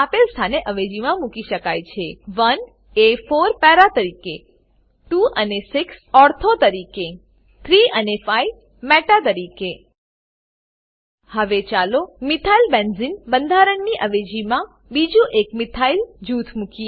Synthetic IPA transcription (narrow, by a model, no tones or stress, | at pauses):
apelst̪ʰaneʔəʋed͡ʒimãmukiʃəkajt͡ʃʰeʋən | efoɾpɛɾat̪əɾike | ʈuʔənesɪksɔɾt̪ʰot̪əɾike | t̪ʰɾiənefaiʋ | mɛʈat̪əɾike | həʋet͡ʃalomɪt̪ʰailbenzinbənd̪ʱaɾəɳːiʔəʋed͡ʒimã | bid͡ʒũʔekmɪt̪ʰaild͡ʒut̪ʰmuki